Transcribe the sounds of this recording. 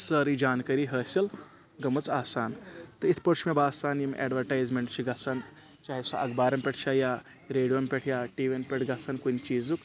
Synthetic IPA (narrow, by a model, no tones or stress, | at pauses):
sɐɾid͡ʒaːnkɐɾiːɦəːsʲɐl | ɡɐmɐt͡saːsaːnt̪ɐit̪ʰpɐɾt͡ʃʰmebaːsaːnjimɛ̰ːɖʋɐɾʈaːjzmeɳʈt͡ʃʰiɡɐt͡sʰaːn | t͡ʃaːɦisɐʔɐɡbaːɾɐmpʲeʈʰt͡ʃʰajaː | ɾeːɽijompʲeʈʰjaːʈiːʋʲenpʲeʈʰɡɐt͡sankunʲt͡ʃiːzuk